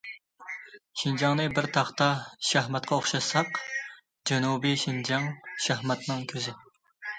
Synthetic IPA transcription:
ʃind͡ʒɑŋnɨbɪɾt̪ʰɑχt̪ɑʃæhmɛt̪qʰɑoχʃɑsɑq | d͡ʒɛnubiʃind͡ʒɑŋʃæhmɛt̪nɨŋkʲʰøzɪ

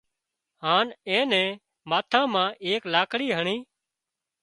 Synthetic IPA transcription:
ɦaːnɛ̃ːnɛ̃ː | maːt̪ʰãːmãːʔeːklaːkɽiːɦəɳiː

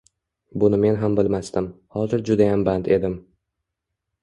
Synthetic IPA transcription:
bʊnɪme̞nɦambɪlmast̪ɪmhɒzɪɾd͡ʒʊd̪ajambant̪ʰe̞d̪ɪm

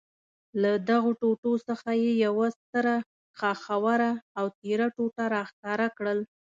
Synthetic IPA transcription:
lad̪aɣoʈoʈosəxajejawast̪əɾa | xɑxawaɾaːwt̪eɾaʈoʈaɾɑxk̪ɑɾakɽəl

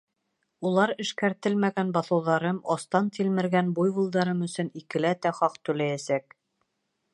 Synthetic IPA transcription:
ulˠɑɾɘ̆ʃkæɾt̪ɘlmæɡænbɑθɤ̆wðɑɾɤmɑst̪ɑnt̪ilmɘ̆ɾɡænbujβulˠd̪ɑɾɤmɵ̆sɵ̆nikɘ̆læt̪æχɑqt̪ɵ̆læjæsæk

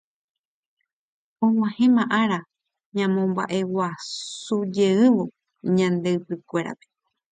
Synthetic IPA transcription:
õŋ̃ãhẽmãʔaɾa | ɲãmõmba̰ʔe̞wasud͡ʒe̞ɨʋo̞ | ɲãnd̪e̞ɨpɨkʷe̞ɾa̰pe̥

